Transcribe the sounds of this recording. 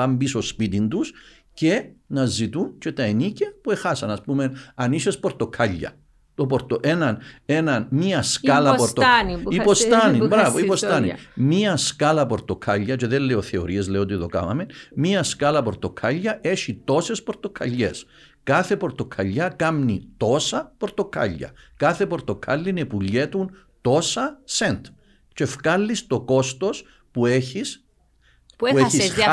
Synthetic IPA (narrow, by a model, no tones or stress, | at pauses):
ɐmbiso̞spit̪ind̪us | ce̞nɐzit̪unt͡ʃe̞t̪ɐenicɐpue̞xɐsɐnɐspume̞nɐnisespo̞ɾt̪o̞kʰɐʎːɐ̰ | t̪o̞poɾt̪oʔenɐne̞nɐnmiɐskɐlɐpoɾt̪oipost̪ɐnibɾɐvoipost̪ɐnḭmiɐskɐlɐpo̞ɾt̪o̞kʰɐʎːɐt͡ʃeðelːeo̞θe̞o̞̰ɾie̞zleot̪iðo̞kɐ̰vɐ̰menmiɐskɐlɐpo̞ɾt̪o̞kʰɐʎːɐʔe̞ʃit̪o̞se̞spo̞ɾt̪o̞kʰɐ̰ʎːe̞s | kɐθe̞po̞ɾt̪o̞kʰɐʎːɐkɐmnit̪o̞sɐpo̞ɾt̪o̞kʰɐ̰ʎːɐ̰ | kɐθe̞po̞ɾt̪o̞kʰɐlːine̞puʎːet̪un | t̪o̞sɐsent̪ | t͡ʃe̞fkɐlːist̪o̞ko̞st̪o̞s | pueçis | pueçis